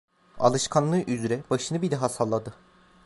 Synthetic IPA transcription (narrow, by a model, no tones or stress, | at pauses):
a̰lˠɯʃkʰanlˠɯʔyzɾɛbaʃɯnɯbilʲɛɦasalˠːad̪ɯ